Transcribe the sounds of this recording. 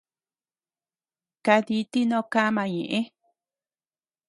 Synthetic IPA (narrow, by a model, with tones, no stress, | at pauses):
ka˧ði˧t̪i˦nõ˦ka˦mã˧ɲḛ̃˨ʔẽ˦